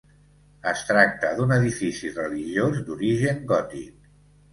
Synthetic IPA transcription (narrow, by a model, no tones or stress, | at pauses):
əst̪ɾak̚t̪əðunəðifisirəliʒiozd̪uɾiʒəŋɡɔt̪ḭk